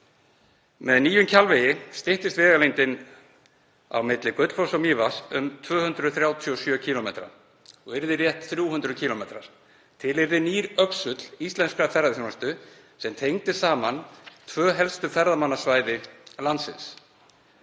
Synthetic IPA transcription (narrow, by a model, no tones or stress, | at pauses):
mɛðniːjʏmcʰalvɪjɪst̪ɪht̪ɪst̪vɛːɣalejnt̪ɪn | a̰wmɪt̪lɪkœt̪l̥fɔwsawmiːvasʏmt̪ʰvœːhʏnt̪ɾʏθɾjaːwt̪ʰiɔsjœːcʰiːlɔmeːt̪ɾa̰ | ɔɣɪɾðɪrjɛht̪θɾjuːhʏnt̪ɾʏðcʰiːlɔmeːt̪ɾa̰ɾ̥ | t̪ʰɪlɪɾðɪniːɾœksʏt̪l̥ist̪lɛnskafɛɾaðθɔnɛst̪ʏ | sɛmt̪ʰejŋt̪ɪsaːmant̪ʰvœːɦɛlst̪ʏfɛɾðamanːḁsvaːjðɪlant̪sɪns